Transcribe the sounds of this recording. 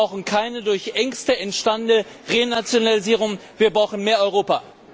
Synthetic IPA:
ʊxn̩kʰaɪnədʊɐçʔɛŋstəɛntʃtandənə | ʁeːnat͡sjonaliziːʁ̞ʊŋviːɐbʁaʊxn̩meːɐɔʏʁoːpa

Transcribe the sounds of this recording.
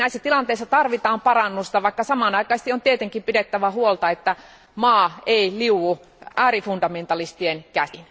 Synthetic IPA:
næisːæt̪ilɑnt̪eˑisːɑt̪ɑrʋit̪ɑːmpɑrɑnːust̪ɑʋɑikːɑsɑmɑˑnɑikˑɑst̪iont̪iet̪eŋkimpidet̪ːæʋæhuolt̪ɑet̪ːæ | mɑːeiliuwu | ʔæːrifundɑment̪ɑlist̪ienkæsin

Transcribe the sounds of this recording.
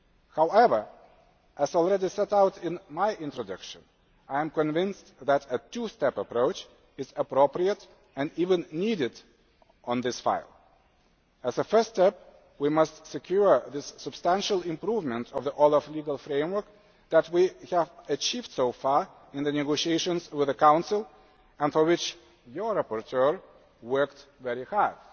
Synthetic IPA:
haʊɛvə˞ | ʔɨzɔlˠɹɛdisɛɾaʊtɪ̃nmaɪʔɪ̃ntɹɔdʌkʃɨ̰̃n | aɪɨ̃mkɨ̃ɱvɪ̃ns | ðæɾɨtustɛpəpɹoʊt͡ʃ | ɨzəpɹopɹiəɾ | ɨ̃ndivɨ̃nːiɾɪd | ə̃nðɪsfa̰ɪlˠ | ɨzəfɜ˞stɛp̚ | wimʌstsɨkʰjuɹðɪsːɨb̥stæ̃nʃəlˠɪ̃mpɹuvmə̃ntʰʌvðiʔɔlˠəfliɡəlˠfɹẽɪ̃mwə˞k̚ | ðætwihævət͡ʃivd̥soʊfɑɹ | ɪ̃nðɨnɛɡoʊʃieɪʃə̃nzwɪðɨkãʊ̃nsɪlˠ | ə̃nfɔ˞wɪt͡ʃ | jə˞ɹapɔɹtʰɜɹ | wɜ˞ktvɛɹihɑɹd̥

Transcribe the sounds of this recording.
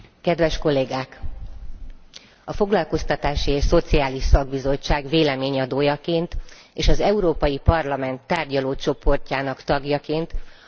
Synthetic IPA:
kɛd̪ʋɛʃko̞lːeːɡaːk | ɒfo̞ɡlɒlko̞st̪ɒt̪aːʃieːʃso̞t̪sijaːliʃsɒɡbizo̞t͡ʃt͡ʃːaːɡveːlɛmeːɲɒd̪oːjɒkeːnt̪ | eːʃɒzɛuɾoːpɒjipɒrlɒmɛnt̪ːaːrɟɒloːt͡ʃo̞po̞rcaːnɒkt̪ɒɡjɒkeːnt̪

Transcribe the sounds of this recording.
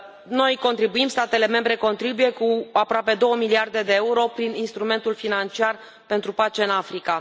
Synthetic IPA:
no̞jko̞nt̪ɾibuimst̪at̪e̞le̞me̞mbɾe̞ko̞nt̪ɾibuje̞kuapɾoape̞d̪o̞wəmiliard̪e̞d̪e̞euɾo̞pɾininst̪ɾume̞nt̪ulfinant͡ʃiar | pe̞nt̪ɾupat͡ʃe̞ɨnafɾika

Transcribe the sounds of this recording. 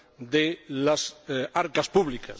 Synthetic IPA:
d̪elasaɾkaspuβlika̰s

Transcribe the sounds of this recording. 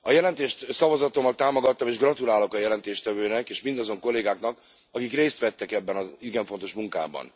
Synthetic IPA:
ɒjɛlɛnt̪eːʃt̪sɒvɒzɒt̪o̞mːɒlt̪aːmo̞ɡɒt̪ːɒmeːʒɡrɒt̪ulaːlo̞kɒjɛlɛnt̪eːʃt̪ɛvøːnɛkeːʃmind̪ɒzo̞ŋko̞lːeːɡaːknɒk | ɒkikreːst̪ʋɛt̪ːɛkɛbːɛnɒiɡɛɱfo̞nt̪o̞ʃmuŋka̰ːbɒ̰n

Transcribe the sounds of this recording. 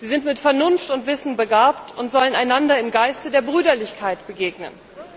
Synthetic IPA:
z̥iːzɪntmɪtfɛɐnʊnftʊntv̥ɪsn̩bəɡaːptʊntz̥ɔlənaɪnandɐɪmɡaɪstədeːɐbʁyːdɐlɪçkʰaɪtb̥əɡeːɡnə̰n

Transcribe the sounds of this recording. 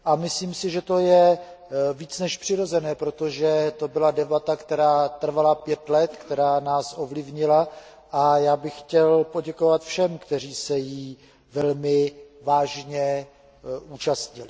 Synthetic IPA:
ʔamɪsliːmsɪʒɛt̪o̞jɛ | viːt͡snɛʃpr̝̥ɪɾo̞zɛnɛːpɾo̞t̪o̞ʒɛt̪o̞bɪladɛbat̪akt̪ɛɾaːt̪r̩valapjɛt̪lɛt̪kt̪ɛɾaːnaːsʔo̞vlɪvɲɪla | ʔajaːbɪxːcɛlpo̞ɟɛko̞vat̪fʃɛmkt̪ɛr̝iːsɛjiː | vɛlmɪvaːʒɲɛ | ʔuːt͡ʃast̪ɲɪlɪ

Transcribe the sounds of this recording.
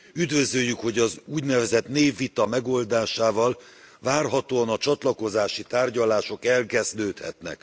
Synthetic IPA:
yd̪vø̞zøjːykho̞ɟɒzuːɟnɛvɛzɛt̪neːvːit̪ɒmɛɡo̞ld̪aːʃaːvɒl | vaːrɦɒt̪oːɒnɒt͡ʃɒt̪lɒko̞zaːʃit̪aːrɟɒlaːʃo̞kɛlkɛzd̪øːt̪hɛ̰t̪nɛ̰k

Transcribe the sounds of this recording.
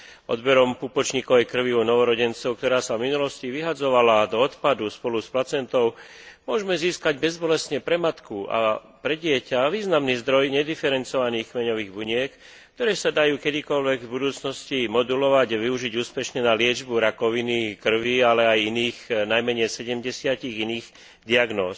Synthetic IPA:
ʔɔ̰d̪bɛɾɔmpupɔt͡ʃɲiːkɔʋɛjkr̩ʋiɔnɔʋɔɾɔɟɛnt͡sɔʊk̚t̪ɔɾaːsavminulɔsciʋiɦad͡zɔʋalad̪ɔːt̪pad̪uspɔlusplat͡sɛnt̪ɔʊmʊɔʒmɛziːskaɟbɛzbɔlɛst̪ɲɛpɾɛmat̪kua̰ | pɾɛɟɪɛcaʋiːznamniːzd̪ɾɔjɲɛd̪ifɛɾɛnt͡sɔʋaniːxmɛɲɔʋiːɣbuɲɪɛk | kt̪ɔɾɛːsad̪ajuːkɛd̪ikɔlʋɛɡvbud̪uːt͡snɔscimɔd̪ulɔʋaɟaʋiuʒiɟuːspɛʃɲɛnalɪɛd͡ʒbuɾakɔʋinikr̩ʋialɛajiniːxnajmɛɲɛjsɛɟɛmɟɛsɪaciɣiniːɣ | d̪iaɡnɔːs

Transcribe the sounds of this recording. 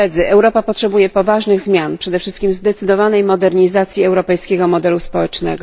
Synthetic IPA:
ɛd̪zɘʔɛwɾɔpapɔtʂɛbujɛpɔvaʐnɘɣzmʲjanpʂɛd̪ɛfʂɘst̪̚kʲimzd̪ɛt̪sɘd̪ɔvanɛjmɔd̪ɛɾɲizat̪sʲjiɛwɾɔpɛjskʲɛɡɔmɔd̪ɛluspɔwɛt͡ʂnɛ̰ɡɔ

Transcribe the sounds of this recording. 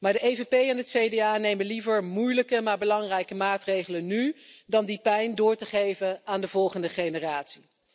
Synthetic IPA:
maːɹdəʔejvepejɛnɦətsejdeaːnejmənlivəɹmujləkəmaːɹbəlɑŋrɛjkəmaːtrejχələnydɑndipɛjndʊːɹtəχejvənaːndəvɔlˠχəndəχejnəraːtsi

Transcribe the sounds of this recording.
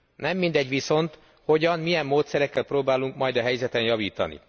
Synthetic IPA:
nɛmːind̪ɛɟʋiso̞nt̪ | ho̞ɟɒnmijɛmːoːt̪sɛɾɛkːɛlpɾoːbaːluŋkmɒjd̪ɒɦɛjzɛt̪ɛnjɒviːt̪ɒ̰nḭ

